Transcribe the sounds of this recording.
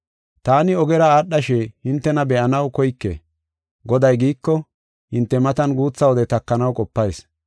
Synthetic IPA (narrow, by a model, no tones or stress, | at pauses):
t̪aːnɪɔɡɛɾɐaːɗːɐʃɛhɪnt̪ːɛnɐbɛʔɐnɐwkɔjkːḛ | ɡɔd̪ɐjɡiːkːɔ | hɪnt̪ːɛmɐt̪ɐnɡuːt͡sːɐwɔd̪ɛt̪ɐkːɐnɐwkʼɔpːɐjs